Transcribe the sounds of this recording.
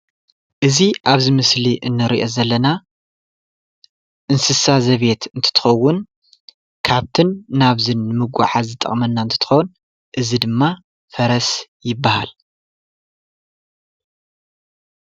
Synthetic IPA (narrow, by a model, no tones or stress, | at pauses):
ʔɨziʔaβzimɨsliʔɨnːɨɾiʔo̞zɐlːɐna | ʔɨnsɨsazɐβe̞t̪ɨnt̪ʰɨ̥t̪ʰɨ̥xɐwːʊn | kʰaβt̪ʰɨnːaβzɨnːɨmɨɡʷa̰ħazɨt̪ʼɐ̰χʼmɐnːant̪ʰɨ̥t̪ʰɨ̥xɐwn | ʔɨzid̪ɨmːa | fɐɾɐsjɪbːaha̰l